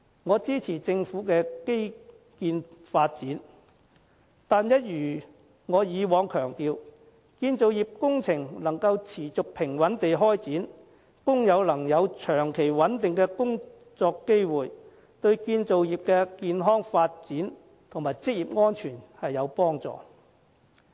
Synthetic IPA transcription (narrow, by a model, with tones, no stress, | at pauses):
ŋɔː˨˧t͡siː˥t͡sʰiː˨˩t͡sɪ˧ŋfuː˨˥kɛː˧ke˥j | kiː˧nfaː˧t̚t͡siː˨˥n | t̪aː˨njɐ˥t̚jyː˨˩ | ŋɔː˨˧jiː˨˧wɔː˨˧ŋkʰœː˨˩ŋt̪iː˧w | kiː˧nt͡so˨wjiː˨p̚kʊ˥ŋt͡sʰɪ˨˩ŋlɐ˨˩ŋkɐ˧wt͡sʰiː˨˩t͡sʊ˨k̚pʰɪ˨˩ŋwɐ˨˥nt̪e˨jɦɔː˥jt͡siː˨˥n | kʊ˥ŋjɐ˨˧wlɐ˨˩ŋjɐ˨˧wt͡ʃʰœː˨˩ŋkʰe˨˩jwɐ˨˥nt̪ɪ˨ŋkɛː˧kʊ˥ŋ | t͡sɔː˧kːe˥jwuː˨j | t̪ɵ˧ɥkiː˧nt͡so˨wjiː˨p̚kɛː˧kiː˧nɦɔː˥ŋfaː˧t̚t͡siː˨˥n | t̪ʰʊ˨˩ŋmaː˨˩jt͡sɪ˥k̚jiː˨p̚ŋɔː˥nt͡ʃʰyː˨˩nhɐ˨jːɐ˨˧wpɔː˥ŋt͡sɔ̰ː˨